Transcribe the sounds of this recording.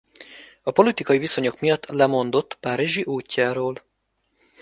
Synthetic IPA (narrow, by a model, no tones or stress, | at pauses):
ɒpo̞lit̪ikɒjiviso̞ɲo̞kmijɒt̪ːlɛmo̞nd̪o̞t̪ːpaːɾiʒiʔuːcːaːɾoːl